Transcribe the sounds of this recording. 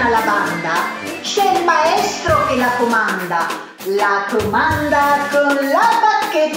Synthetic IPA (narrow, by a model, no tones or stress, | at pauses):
laband̪a | ʃelmaest̪ɾokelakomand̪a | lakomand̪at̪əlat̪ake